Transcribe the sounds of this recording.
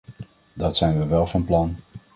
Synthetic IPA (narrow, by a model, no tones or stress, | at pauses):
dɑtsɛjnʋəʋɛlˠvɑnplɑn